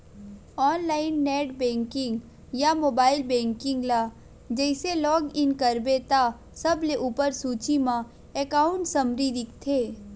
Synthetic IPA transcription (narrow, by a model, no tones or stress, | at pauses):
ɔːnlaːɪnːɛːʈbɛ̃ːŋkɪ̃ŋɡ | jamoːbaːɪlbɛ̃ːŋkɪ̃ŋɡlaː | d͡ʒɛɪselɔːɡɪnkəɾbet̪a | sɐbleʔuːpəɾsuːt͡ʃimã | ekaːʊ̃ɳʈsɐmɾiːd̪ɪkt̪ʰeː